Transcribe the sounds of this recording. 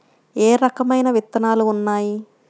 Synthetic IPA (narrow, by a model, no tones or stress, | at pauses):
eːɾɐkɐmɐjnɐʋit̪ːɐnaːluːnːaːji